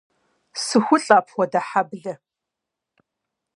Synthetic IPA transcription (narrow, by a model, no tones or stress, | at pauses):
sɨxʷʊɬʼaːpʰχʷɔdɐħabɮɐ